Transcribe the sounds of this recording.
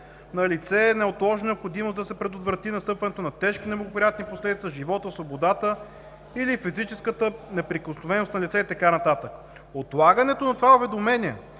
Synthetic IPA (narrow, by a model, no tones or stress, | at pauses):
nɐlit̪sɛnɛot̪lˠɔʒnɛopxod̪imosd̪ɐsɛpɾɛd̪ot̪vɾɐt̪inɐst̪ɤpvɐnɛt̪onɐt̪ɛʃk̟inɛblˠɡopɾʲijat̪niposlɛd̪it̪səʒivɔt̪əsvobod̪at̪ə | ilifizit͡ʃɛskət̪ənɛpɾikosnovɛnost̪nɐlit̪sɛit̪ɐkanɐt̪at̪ək | ot̪lˠaɡənɛt̪onɐt̪ovaovɛd̪omɛniɛ